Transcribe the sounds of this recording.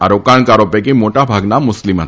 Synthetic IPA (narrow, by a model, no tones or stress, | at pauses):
aɾokaɳkaɾopekimoʈabʱaɡnamːʊslima